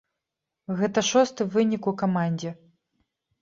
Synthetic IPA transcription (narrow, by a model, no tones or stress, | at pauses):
ɣɛt̪ɐʂɔst̪ɨvɨnʲikukamanʲd͡zʲɛ